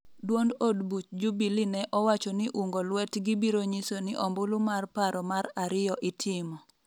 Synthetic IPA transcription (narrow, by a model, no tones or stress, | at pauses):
dwondodbut͡ʃd͡ʒubilinɛʔɔwat͡ʃɔnɪʔuŋɡolwɛtɡibiɾoɲisonɪʔɔmbʊlumarpaɾɔmaɾaɾɪjɔʔɪtʰɪmɔ